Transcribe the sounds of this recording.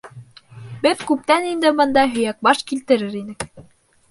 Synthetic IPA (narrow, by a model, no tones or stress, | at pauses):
bɘðkʉp̚t̪ænind̪ɘbɤ̆nd̪ɑɦɵ̆jæk̚bɑʃkilt̪ɘ̆ɾɘɾinɘk